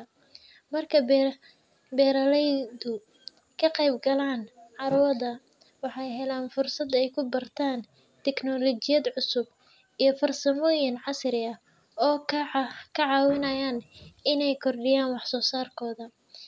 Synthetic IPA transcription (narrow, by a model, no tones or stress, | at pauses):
mɐrkʰɐb | bɛːɾɐlɛjðʊ | kʰɐqɛjbɡɐlaːnʕɑɾʊwɐðɐ | wɑħɑjɦɛlaːnfʊrsɐd̪ɛjkʰʊbɐrt̪ʰaːn | t̪ʰɛknɔlɔt͡ʃɪjɐd̪ʕʊsʊb | ijɞfɐrsɐmɔːjɪnʕɑsɾɪɐ | ɔː | kʰɐʕɑːwɪnɐjaːnɪnɛjkʰɔrɖɪjaːnwɑħsɔːsaːrkʰɔːðɐ